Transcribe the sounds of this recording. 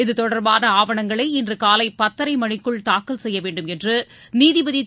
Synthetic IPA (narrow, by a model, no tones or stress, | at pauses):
ɪðɯt̪ɔɽɐɾbaːnɐaːʋɐɳɐŋɡɐɭɐɪɪndrɯkaːlɐɪpːɐt̪ːɐɾɐɪmɐɳɪkːɯɭt̪aːkɯlsɛjːɐʋeːɳɖɯmɛndrɯ | niːðɪbɐði